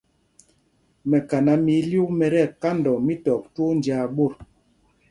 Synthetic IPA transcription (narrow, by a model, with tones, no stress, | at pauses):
mɛ˨ka˨na˨mi˨˦lju˦mɛ˨ɾɛ˦˨ka˦ndɔ˨mi˦tɔ˨k̚two˦n˨a˨˦ɓo˦˨ɾ